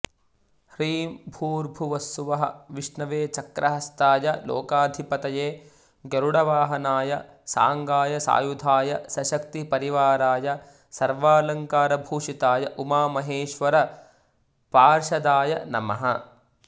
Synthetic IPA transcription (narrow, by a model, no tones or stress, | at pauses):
hɾiːmbʱuːɾbʱuʋɐst̪uʋɐɦɐ̰ʋiʂnɐʋeːt͡ʃɐkɾʔɐɦɐst̪aːjɐlo̰ːkaːd̪ʱipɐt̪ɐjeː | ɡɐɾuɽɐʋaːɦɐnaːjɐ | sa̰ːŋɡaːjɐsa̰ːjud̪ʱaːjɐsɐʃɐk̚t̪ipɐɾiʋaːɾaːjɐ | sɐɾʋaːlɐŋkaːɾɐbʱuːʂit̪aːjɐʔumaːmɐɦeːʃʋɐɾɐ | paːɾʃɐd̪aːjɐnɐ̰mɐ̰ɦɐ̰